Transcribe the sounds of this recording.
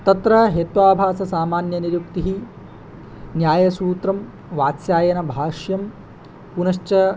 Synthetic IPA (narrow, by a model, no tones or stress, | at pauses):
t̪ɐt̪ɾɐɦet̪ʋaːbʱaːsɐsaːmaːnjɐniɾjuk̚t̪iɦi | njaːjɐsuːt̪ɾɐm | ʋaːt̪sjaːjɐnɐbʱaːʃjɐm | punɐʃt͡ʃɐ